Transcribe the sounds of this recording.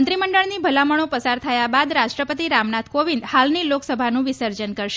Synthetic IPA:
nt̪ɾiməɳɖəɭnibʱəlaməɳ̃õpəsaɾt̪ʰəjabad̪ɾaʃʈɾəpət̪iɾamnat̪ʰkoʋind̪halniloksəbʱanũʋɪsəɾd͡ʒənkəɾʃ

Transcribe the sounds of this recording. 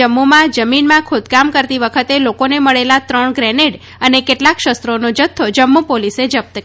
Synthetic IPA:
əmːumãd͡ʒəminmãkʰod̪kamkəɾt̪iʋəkʰət̪elokoneməɭelat̪ɾəɳɡɾɛneɽ | ənekeʈlakʃəst̪ɾonod͡ʒət̪ʰːod͡ʒəmːupolised͡ʒəp̚t̪ə

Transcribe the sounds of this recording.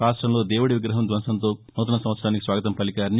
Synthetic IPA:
ɾaːsʈɾɐmlo̞ːd̪eːwuɽiʋiɡɾɐɦɐmd̪ʋɐnʃɐnt̪o̞ːnuːt̪̬ɐnɐsɐ̃mɐt̪sɐɾaːnikisʋaːɡɐt̪ɐmpɐlikaːɾni

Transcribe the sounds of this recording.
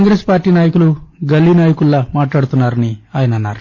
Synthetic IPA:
ŋɡɾe̞ːspaːɾʈːiːnaːjɐkuluɡɐlːiːnaːjɐkuɭːamaːʈlaːɽut̪unːaːɾɐniaːjɐnɐnːa̰ːɾu

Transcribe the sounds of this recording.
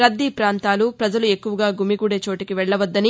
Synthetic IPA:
ɾɐd̪ːipɾaːnt̪aːlupɾɐd͡ʒɐlue̞kːuʋɐɡaːɡumiɡuːɽe̞ːt͡ʃo̞ːʈikiʋɛɭːɐʋɐd̪ːɐni

